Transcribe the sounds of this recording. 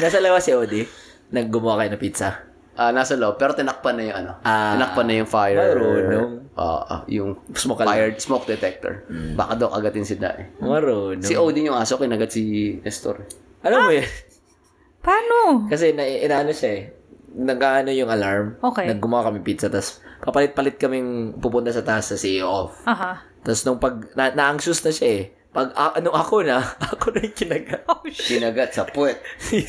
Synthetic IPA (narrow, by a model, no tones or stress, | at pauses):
naːsɐlɐwasɪʔowd̪ɪ | nɐɡ̚ːʊmʊwakɐjonɐpit̪sɐ | ʔanaːsɐlowpɛːɾot̪ɪnɐk̚pɐnːɐjʊŋɐnoʔaɪnɐkpanːɐjʊŋfajɛmɐɾonoʔo̰ːʔo̰jʊŋsmokɐlajɛsmok̚d̪ɛt̪ɛk̚t̪o̰ɹba̰ːkɐd̪ɐwkʔɐɡɐt̪ɪnsɪd̪a̰ʔɛmɐɾoːnsoɪʔowd̪ɪjʊŋʔaːsokɪnɐɡɐd̪̚siɛst̪o̰ɾ | ʔɐlomojɐn | paːnokɐs̬ɛnɐʔʔɪnaːʔɐnoʃaɛ | nɐɡaʔɐno̞jʊŋɐlaɹmokɛnɐɡ̚ːʊmɐwakɐmɪpit̪sɐt̪ɐspɐpɐlɪt̪̚pɐlɪt̪̚kɐmɪŋpupʊnt̪asɐt̪aʔɐsːɐsiʔofaɦa | t̪ɐsnʊŋpɐɡ̚nɐnɐʔɐŋʃʊsnɐʃaʔɛ | pɐɡʔɐnʊŋʔɐkonɐʔɐkonɐŋkɪnɐɡakɪnɐɡat̪̚sɐpwɛt̪̚